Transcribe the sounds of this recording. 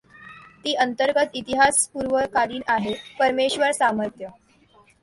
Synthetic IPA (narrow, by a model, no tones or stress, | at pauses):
t̪iːʔənt̪əɾɡət̪it̪iɦaspuɾʋəkaliːnaɦepəɾmeɕʋəɾsaməɾt̪jə